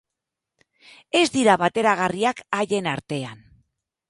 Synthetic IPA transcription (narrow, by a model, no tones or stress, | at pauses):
e̞zd̪iɾaβat̪e̞ɾaɣ̞ariakaʎe̞naɾt̪e̞an